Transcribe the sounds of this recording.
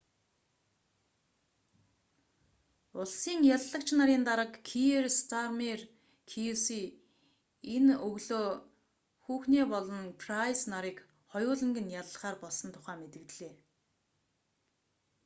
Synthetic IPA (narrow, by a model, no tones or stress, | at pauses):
ʊɮsiːŋjaɮːə̆k̚t͡ɕʰnaɾiːnt̪aɾə̆kʰːierst̪ʰarmer | kʰiesiː | enɵɣɮoː | xuːxneːpɔɮɞ̆npʰrajsnaɾiːk | χɔjʊːɮə̆ŋɡɘ̆njaɮə̆χaːrpɔɮsɞ̆nt̪ʰʊ̥χæːmet̪ɘ̆t̪ɮeː